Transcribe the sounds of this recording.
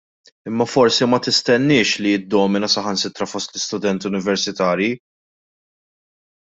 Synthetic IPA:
ɪmːɐfɔɾsimɐt̪ɪst̪ɛnːɪːʃliɪd̪ːɔːmɪnɐsɐħɐnsɪt̪ɾɐfɔst̪lɪst̪ʊd̪ɛnt̪ʊnɪvɛɾsɪt̪ɐːɾji

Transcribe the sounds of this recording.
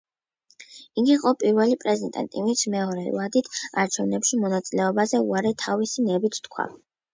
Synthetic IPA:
iɡiqʼɔpʼiɾvɛlipʼɾɛzɛnt̪ʼa̰nt̪ʼimit̪sʰmɛɔɾɛlad̪it̪ʰaɾt͡ʃʰɛvnɛpʃimɔnat̪sʼilɛɔbazɛuaɾɛt̪ʰavisinɛbit̪ʰt̪kʰwa̰

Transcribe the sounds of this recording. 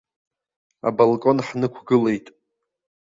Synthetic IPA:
a̰bolkʼo̞nħnɨkʷʰɡɨle̞jtʼ

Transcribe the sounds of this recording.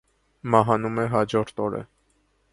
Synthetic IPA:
mɑɦɑnumɛɦɑd͡ʒɔɾt̪ʰɔɾə̰

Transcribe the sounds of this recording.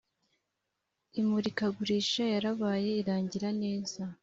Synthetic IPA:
imuɾikaɡuɾiʃajaɾaβaːje̞iɾaːɲɟiɾane̞ːza

